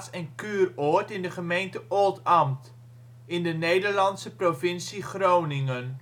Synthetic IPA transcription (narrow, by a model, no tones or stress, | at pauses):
sɛnkyːroətɪndəχəmejntəʔolˠtɑmt | ɪndənejdəɹlɑnsəprovɪnsiχrownɪŋən